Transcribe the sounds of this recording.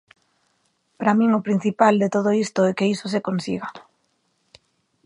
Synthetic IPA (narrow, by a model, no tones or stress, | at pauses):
pɾamĩŋopɾin̟θipald̪et̪oð̞oist̪oɛkeisos̬ekonsḭɣa